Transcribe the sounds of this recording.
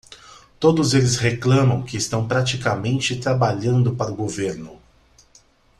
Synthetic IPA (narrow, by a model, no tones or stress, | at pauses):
t̪od̪ʊzelɪsheklɐ̃mɐ̃w̃kɪːst̪ɐ̃w̃pɾat͡ʃikamẽnt͡ʃɪt̪ɾabaʎɐ̃nd̪ʊpaɾʊɡoveɾnʊ